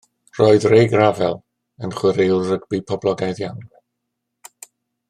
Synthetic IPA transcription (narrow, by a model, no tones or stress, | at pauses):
r̥oːɨðrejɡravɛlˠ | ənχwɪɾerəɡbipʰɔblˠɔɡajðjawn